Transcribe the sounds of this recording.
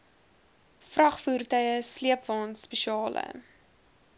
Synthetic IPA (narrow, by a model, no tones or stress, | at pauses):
frɐχfuːrtœjəsliəpvɑːnspɛʃiɑːlʔə̰